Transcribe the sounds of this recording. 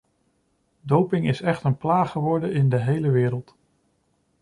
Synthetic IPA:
dowpɪŋɪsɛχtənplaːχəʋɔɹdənɪndəɦejləʋɪːɾəlˠt

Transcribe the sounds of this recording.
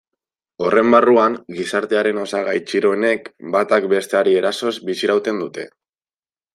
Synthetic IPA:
o̞re̞mbaruaŋɡisaɾt̪e̞aɾe̞no̞saɣajt͡ʃiɾo̞ene̞kbat̪akbe̞st̪e̞aɾie̞ɾaso̞zbisiɾawt̪e̞nd̪ut̪e̞̰

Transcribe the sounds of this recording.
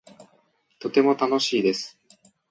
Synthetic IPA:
t̪o̞t̪e̞mo̞t̪ano̞ɕiːd̪e̞sɨ̥

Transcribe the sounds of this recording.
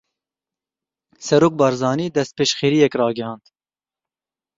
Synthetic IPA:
sɛɾoːk̚bɑːɾzɑːniːd̪ɛst̪̚peːʃχeːɾiːjɛkrɑːɡɛhɑːnd̪

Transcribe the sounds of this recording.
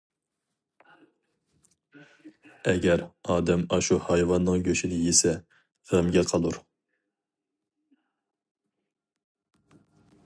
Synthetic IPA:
ɛɡʲɛɾɑːd̪ɛmɑʃuhɑjvɑnːɨŋɡʲøʃinɪjesɛ | ʁəmɡʲɛlqʰɑlˠuɾ

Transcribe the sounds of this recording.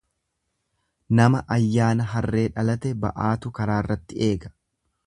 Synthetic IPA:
nɐmɐʔɐjːaːnɐɦɐrːe̞ːᶑɐlɐt̪ɛbɐ̰ʔaːt̪ʊkɐɾaːɪrːɐt̪ːɪe̞ːɡɐ̥

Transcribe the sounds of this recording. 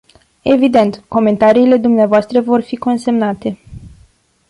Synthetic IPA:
e̞vid̪e̞nt̪ko̞me̞nt̪aɾiːle̞d̪umneavoast̪ɾəvo̞rfiko̞nse̞mnat̪e̞

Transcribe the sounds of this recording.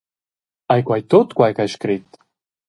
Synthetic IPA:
ajkwajt̪ot̪kwajkajʃkɾit̪

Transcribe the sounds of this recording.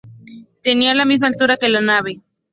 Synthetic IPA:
t̪enialamizmalt̪uɾake̞lanaβe

